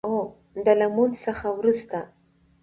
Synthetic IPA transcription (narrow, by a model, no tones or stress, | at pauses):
o | d̪əlamunsəxawɾust̪a